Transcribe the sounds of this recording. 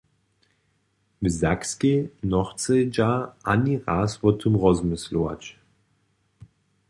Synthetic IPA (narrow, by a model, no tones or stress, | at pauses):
məzakskenɔʁt͡sed͡ʒaʔaniʁaːsvʊtʰumʁɔzmʊsloa̰t͡ʃ